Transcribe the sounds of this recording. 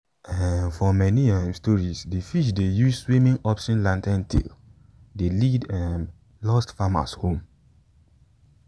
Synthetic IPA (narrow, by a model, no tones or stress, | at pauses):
ɛnfɔmɛniɛ̃mstɔɹisdifiʃdejusswĩmĩŋɔpsĩnlãntɛ̃ntʰḛl | delidɛ̃ | lɔstfama̰shõm